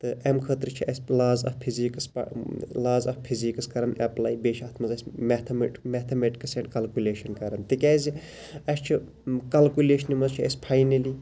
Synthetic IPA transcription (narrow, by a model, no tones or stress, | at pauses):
t̪ɨʔemkʰət̪ɾɨt͡ʃʰiɐsʲlaːzɐ̰pʰiziksplaːzɐfpʰizikɐskɐɾɐnɐplaːjbeːʃɐt̪ʰmɐzɐsʲmet̪ʰɐmeʈmɛt̪ʰɐmeʈi̥kɐseɳʈkɐlkʲuleːʃɐnkɐɾɐnt̪ikʲɛːzi | ɐst͡ʃʰi | kɐlkʲuleːʃɐnimɐzt͡ʃʰiɐ̰sʲpʰajnɐli